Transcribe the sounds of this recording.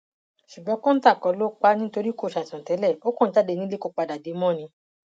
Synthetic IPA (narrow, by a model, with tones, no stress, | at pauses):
ʃu˨ɡ͡bɔ̃˨˧˦kõ˦n̩˦ta˦˨kɔ˨˧˦lo˦k͡pa˧nĩ˦to˧ɾi˦ko˦˨ʃa˨sã˨tɛ˨˦lɛ˦˨o˦kõ˦n̩˦ta˦de˧nĩ˦le˦ko˦˧˨k͡pa˧da˨de˨˦mɔ̃˦˨nĩ˧